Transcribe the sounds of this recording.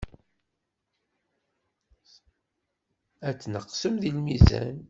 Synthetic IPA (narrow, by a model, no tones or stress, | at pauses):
æt͡sːnəqːsəmðilmizæ̰n